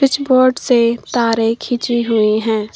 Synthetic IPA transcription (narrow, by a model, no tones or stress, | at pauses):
ɪt͡ʃboːɾɖset̪aːɾekʰit͡ʃiɦʊiɦɛ̃ː